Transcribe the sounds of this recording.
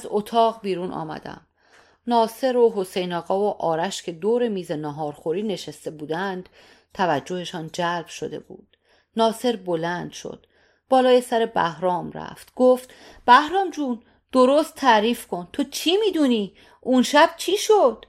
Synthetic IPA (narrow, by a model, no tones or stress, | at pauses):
æzot̪ʰɒːɣbiːɾunʔɒ̰ːmæ̰d̪æ̰m | nɒːse̞ɾoɦo̞sejnɒːɣɒːvoʔɒːɾæʃcʰe̞d̪oːɾe̞miːze̞nɒɦɒːɾxoɾiːne̞ʃest̪e̞buːd̪ænd̪̥ | t̪ʰævæd͡ʒːo̞he̞ʃɒːnd͡ʒælb̥ʃo̞̰d̪e̞̰bṵːd̪̥ | nɒːseɾbo̞lænd̪̥ʃo̞̰d̪̥ | b̥ɒːlɒːje̞sæɾe̞bæ̰hɾɒːmɾæ̰ft̪ɡ̥oft̪ | b̥æhɾɒːmd͡ʒuːn | d̪̥o̞ɾost̪ʰːæːɾiːfkʰo̞nt̪ʰot͡ʃʰimiːd̪uni | unʃæb̥̚t͡ʃʰiːʃod̪̥